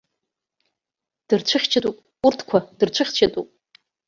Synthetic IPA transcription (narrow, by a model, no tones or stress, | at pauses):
d̥ɨrt͡ʃʷʰɨχʲt͡ʃʰatʼupʼ | urtʰkʷʰad̥ɨrt͡ʃʷʰɨχʲt͡ʃʰatʼupʼ